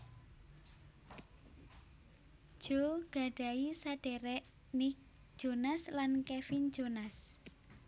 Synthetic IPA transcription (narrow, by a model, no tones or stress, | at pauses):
ʒ̥oɡ̥a̤ɖ̥a̤isaɖ̥ɛɾɛʔ | nik̚ | ʒ̥onaslankɛfind͡ʒ̥onas